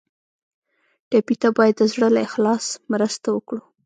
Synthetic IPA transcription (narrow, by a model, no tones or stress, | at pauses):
ʈɑpit̪abɑjad̪ːəzɽəlaɪxlɑsmɾəst̪awəkɽu